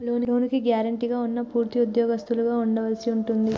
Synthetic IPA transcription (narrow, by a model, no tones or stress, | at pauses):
lo̞ːnio̞ːnikiɡjaːɾɐɳʈiɡaːunːɐpuːɾt̪iud̪jɔːɡɐst̪uluɡaːuɳɖɐʋɐlɐsiuɳʈund̪i